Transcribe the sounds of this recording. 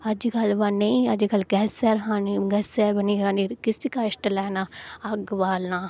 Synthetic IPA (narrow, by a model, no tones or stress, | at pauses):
ɐd͡ʒɡɐlʋaːneĩɐd͡ʒɡɐlɡɛːsɛːɾɦãniɡɛːsɛːɾbəniːɾaːniːɾkɪsikaːɪʃʈlɛːnaːɐɡʋaːlnaː